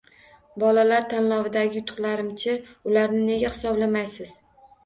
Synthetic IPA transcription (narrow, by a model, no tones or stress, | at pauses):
bɒlalaɾt̪ʰanlɒvɪd̪aɡʲɪjʊt̪ʰʊ̥qlaɾɪmt͡ʃʰɪʊlaɾnɪne̞ɡʲahɪsɒblamajsɪz̥